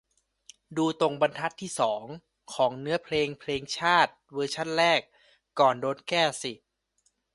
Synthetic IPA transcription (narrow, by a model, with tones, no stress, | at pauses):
duː˧t̪o˧ŋba˧nt̪ʰa˦˥t̪ʰːiː˥˩sɔː˩˦ŋ | kʰɔː˩˦ŋnɯ˦˥ɐpʰleː˧ŋpʰleː˧ŋt͡ɕʰaː˥˩t̪̚wɤː˧t͡ɕʰa˥˩nɾɛː˥˩k̚ː | ɔː˨˩ndoː˧nkɛː˥˩si˨˩